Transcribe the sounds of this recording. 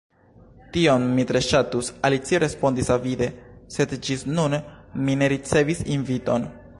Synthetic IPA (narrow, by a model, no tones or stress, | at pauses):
tio̞nmitɾe̞ʃatusalit͡sieɾe̞spo̞ndisavide̞se̞dd͡ʒisnunmine̞ɾit͡se̞visinvito̞n